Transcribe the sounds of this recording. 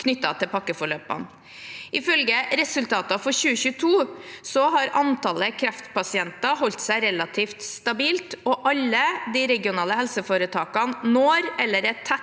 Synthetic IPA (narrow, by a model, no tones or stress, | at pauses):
kʰnʏt̪ːɑ̰t̪ʰɪlpʰɑkːəfɔɭøːpɑ̰n | ʔɪfœlɡəɾɛsʉlt̪ʰɑːt̪ɑfɔɾɕʉːəçʉːt̪ʰuːsɔɦɑɾɑnt̪ʰɑləkʰɾæft̪pɑsɪɛnt̪ɑhɔlt̪sæɪɾɛlɑt̪ʰiːft̪st̪ɑbiːlt̪ɔʔɑlːəd̪iɾɛɡɪʊnɑːləhɛlsəfoːɾət̪ʰɑːkɑnnoːɾɛlːəɾɛt̪ʰæ